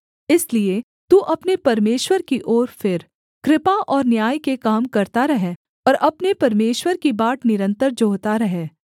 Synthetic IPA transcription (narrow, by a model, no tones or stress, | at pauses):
ɪslie | t̪uːʔɐpnepɐɾmeːʃwəɾkiʔoːɾfɪɾ | kɾɪpaʔɔːɾnjaːjkekaːmkɐɾt̪aɾɐɦe | ɔːɾʔɐpnepɐɾmeːʃwəɾkibaːʈnɪɾə̃nt̪əɾd͡ʒoːt̪aɾɐɦeː